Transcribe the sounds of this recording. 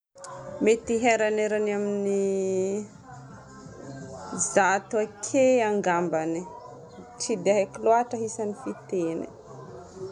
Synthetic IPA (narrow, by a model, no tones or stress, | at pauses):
met̪iɦeɾaneɾanamini | zat̪uakʰeaŋɡambani | ʈ͡ʂid̪aɦekiloaʈ͡ʂəɦisanifit̪enḭ